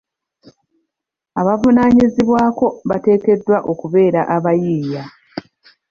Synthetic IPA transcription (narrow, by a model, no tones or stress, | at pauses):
aβavunaːɲiziβwaːko̞βate̞ːke̞dːwaʔo̞kuβe̞ːɾaʔaβajiːja